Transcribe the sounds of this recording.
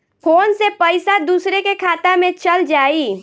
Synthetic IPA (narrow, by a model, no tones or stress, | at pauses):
pʰoːnsepəɪsad̪uːsɾekekʰaːt̪amẽt͡ʃəld͡ʒaːiː